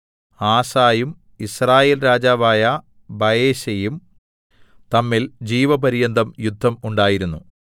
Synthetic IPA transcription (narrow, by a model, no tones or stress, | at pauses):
aːsaːjum | israːjeːlɾaːd͡ʑaːʋaːjɐ | bɐjeːɕɐjum | t̪ɐmːild͡ʑiːʋɐbɐɾijɐnd̪ʱɐmjud̪ʱːɐmuɳɖaːjiɾunːu